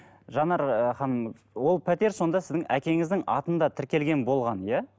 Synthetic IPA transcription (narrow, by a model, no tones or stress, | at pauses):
ʒɑnɑɾχɑn | wo̞lˠpʰæt̪e̞ɾso̞nd̪ɑsɪzd̪ɪŋækʲe̞ŋɪzd̪ɪŋɑ̰t̪ənd̪ɑt̪ʰɪɾkʲe̞lɡʲe̞nbo̞lˠʁɑnjæ